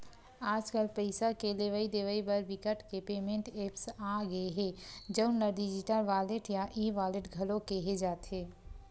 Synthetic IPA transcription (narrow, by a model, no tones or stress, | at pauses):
aːd͡ʒkəlpəɪsakeleʋaid̪eʋəibəɾbɪkəʈkepeːmẽɳʈeːpsaːɡəeɦɛ̃ːd͡ʒəʊnəɾɖɪd͡ʒɪʈəlʋaːleʈjaʔiʋaːleʈɡʱɐlokeɦed͡ʒaːt̪ɦeː